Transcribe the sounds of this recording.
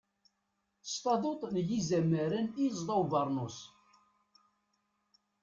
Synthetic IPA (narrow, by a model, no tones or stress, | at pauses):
st̪ɑðˤot̪ˤnjizæmːəɾænizðˤɑwvəɾˤnʊs